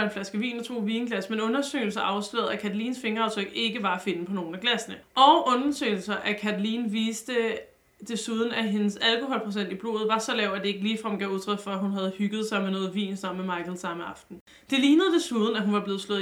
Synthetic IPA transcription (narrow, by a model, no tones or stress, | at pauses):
enflæsɡ̥əʋḭːnɒt͡sʰo̝̰ːʋiːnəɡ̥læsmenɔ̽nɐsø̰ːɪl̩sɐʔɑ̈ʊslḛːð̩ˠækʰæd̥liːnsfe̝ŋɐɑ̈ʊt͡sʰʁœɡ̥e̝ɡ̥əʋɑ̈æfe̝nəpʰɒ̽no̝ːn̩æɡ̥læsənəʔɒ̽ʊʔɔ̽nsø̰ɪl̩sɐʔækʰædliːnʋiːsd̥ə | d̥e̝suð̞ˠn̩æɦe̝nəsælkʰo̝ɦɒ̽lpʰʁosen̰d̥ib̥lo̝̰ːð̩ˠʋɑ̈sɒ̽lɛʊ̰æd̥e̝e̝ɡ̥əliːfʁɑmɡ̥æuðˠt͡sʰʁœd̥fɒɦunɦæð̞̩ˠhyɡ̥ð̩ˠsɑ̈ɪmenɔ̽ːð̩ˠʋḭːnsɒ̽mmemɑ̈ɪkʰəl̩ˠsɑ̈məɑ̈fd̥n̩ | d̥e̝liːnəð̞̩ˠd̥e̝suð̞ˠn̩æɦunʋɑ̈b̥le̝ːð̞̩ˠslɔ̽ðˠ